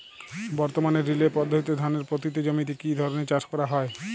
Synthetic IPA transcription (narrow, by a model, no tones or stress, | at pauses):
bɔɾt̪omaneɾːilepɔd̪ʱːot̪it̪ːod̪ʱaneɾpɾot̪it̪ːed͡ʑomit̪̬ikid̪ʱɔɾonet͡ɕad͡ʑkɔɾaɦɔe